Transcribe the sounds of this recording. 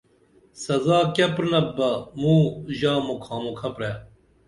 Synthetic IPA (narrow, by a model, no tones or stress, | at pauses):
sɐzaːkɐpɾnɐbɐmuːʑaːmukʰaːmokʰɐpɾeː